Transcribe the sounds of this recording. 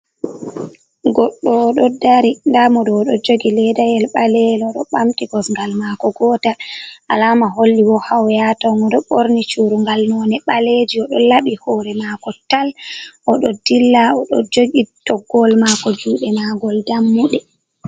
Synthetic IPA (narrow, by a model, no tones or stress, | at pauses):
ɡɔɗːɔɗɔdaɾindamɔɗɔɗɔd͡ʒoɡilɛdajɛlɓalɛlɔɗɔɓamtiɡɔsŋɡalmakɔɡɔtaʔalamaɦolːiwɔhawjatɔŋɔɗɔɓoɾnit͡ʃuɾuŋɡalnɔnɛɓaled͡ʒiɔɗɔ̰laɓihɔːɾɛmakɔtalʔɔɗɔdilːaɔɗɔd͡ʒoɡid̥ɔɡɔlmakɔd͡ʒuːɗɛmaɡɔldamːuɗɛ